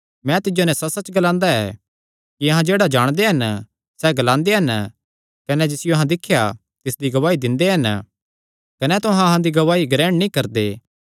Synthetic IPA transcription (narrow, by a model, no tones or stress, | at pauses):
mɛ̃t̪ɪd͡ʒonɛ̃sɐsɐt͡ʃɡɐlãːnd̪aɛ̰ː | kiɐɦãd͡ʒeːɽad͡ʒaːɽ̃d̪eɦɐn | sɛɡɐlãːnd̪eɦɐn | kɐnɛd͡ʒɪsɪjoɐɦãd̪ɪkʰːja | t̪ɪsd̪iɡɐʋaːid̪ɪ̃nd̪eɦɐn | kɐnɛt̪ʊɦãɐɦãd̪iɡɐʋaːiɡɾɛːɽ̃nĩːkɐɾd̪eː